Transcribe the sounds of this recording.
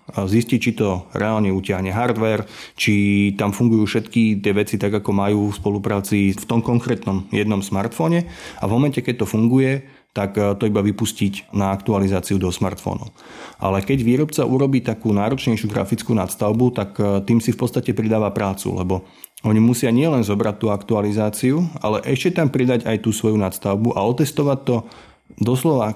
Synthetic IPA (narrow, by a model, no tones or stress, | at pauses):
ziscict͡ʃit̪ɔɾɛaːlɲɛucɪaɦɲɛɦaɾd̪ʋɛɾt͡ʃit̪amfuŋɡujuːfʃɛt̪kit̪ɪɛʋɛt͡sit̪aɡakɔmajuːfspɔlupɾaːt͡sift̪ɔmkɔŋkɾɛːt̪nɔmjɛd̪nɔmsmaɾt̪fɔːɲɛa̰vmɔmɛncɛkɛc̚t̪ɔfuŋɡujɛ | t̪akt̪ɔibaʋipuscicnaakt̪ualizaːt͡siud̪ɔsma̰ɾt̪fɔ̰nɔ̰ʊʔa̰lɛkɛɟʋiːɾɔpt͡saʔuɾɔbiːt̪akuːnaːɾɔt͡ʃɲɛjʃɪuɡɾa̰fit͡skuna̰t̪st̪aʊbut̪akt̪iːmsifpɔtt͡st̪acɛpɾid̪aːʋapɾaːt͡sṵlɛ̰bɔ | ɔɲimusɪaɲɪɛlɛnzɔbɾat̪ːuːakt̪ualizaːt͡siua̰lɛʔɛʃcɛt̪ampɾid̪aɟajt̪uːsʋɔjunat̪st̪aʊbuʔa̰ɔt̪ɛst̪ɔʋac̚t̪ɔ | d̪ɔslɔʋa